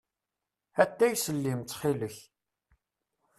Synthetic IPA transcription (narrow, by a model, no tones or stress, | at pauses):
æt̪ːæjsəlːimt͡s̪ːχiləç